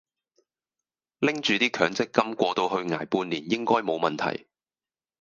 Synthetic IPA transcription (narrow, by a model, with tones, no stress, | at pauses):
lɪ˥ŋt͡ʃyː˨˧t̪iː˥kʰœː˨˥ŋt͡sɪ˥kːɐ˥mkʷɔː˧t̪o˧wɦɵ˧ɥŋa̰ː˨˩jpuː˧nlːiː˨˩njɪ˥ŋkɔː˥jmo˨˧wmɐ˨nt̪ʰɐ̰˨˩j